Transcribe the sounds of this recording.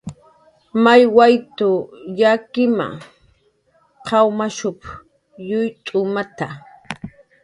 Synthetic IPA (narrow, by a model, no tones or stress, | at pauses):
majwajt̪ʊjakɪma̰ | qʰɑwmaʃʊp | jʊjt̪ʼʊmat̪a